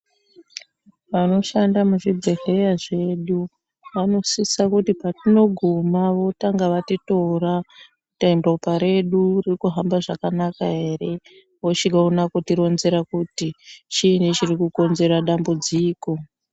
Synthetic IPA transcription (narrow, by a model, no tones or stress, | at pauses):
ʋano̞ʃandamuʐibʱe̞ɦe̞jaʐe̞ɗu | ʋano̞sisakutipatino̞ɡʱumaʋo̞taŋɡaʋatito̞rakutaimdopaɾe̞ɗuririkuɦambaʐakanakaɦe̞re̞ | ʋot͡ʃiɡʱaunakotiɾo̞nze̞ɾakutit͡ʃinet͡ʃirikuko̞nze̞ɾaɗambud͡ziːko̞